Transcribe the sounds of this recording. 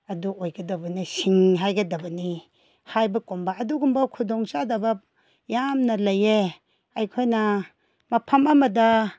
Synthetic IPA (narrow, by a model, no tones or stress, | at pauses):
ɐduojɡɐdɐbɐnisiŋɦajɡɐdɐbɐni | hajbɐkombɐːduɡumbɐkʰudɔŋsadɐbɐ | jamnɐlɐje | ɐjkʰojnɐ | mɐpʰɐmɐmɐdɐ